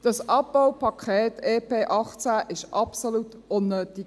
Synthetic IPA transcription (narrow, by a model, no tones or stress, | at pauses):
d̥ɑsʔɑp̚b̥awpʰɑkʰχɛːteːpʰeːʔɑχt͡sæʔɪʃʔɑpsolut | ʊnːøːti